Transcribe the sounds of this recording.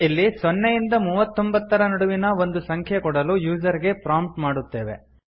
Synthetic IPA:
ilːisɔnːejind̪ɐmuːʋɐt̪ːo̞mbɐt̪ːɐɾɐnɐɽuʋinɐʋo̞nd̪usɐŋkʰjɐkɔɽɐlujuːd͡ʒɐɾiɡe̞pɾaːmp̚ʈmaːɽut̪ːe̞ːʋe̞̰

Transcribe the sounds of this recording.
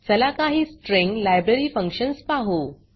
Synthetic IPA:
t͡səlakaɦiːsʈɾẽŋɡlajbɾeɾiːfə̃ŋkʂənspaɦo

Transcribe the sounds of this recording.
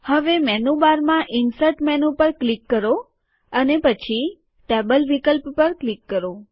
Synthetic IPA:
həʋemɛnubaɾmãʔɪnsəʈmɛnupəɾklikːəɾo | ənepət͡ʃʰi | ʈebəlʋikəlppəɾklikːəɾo

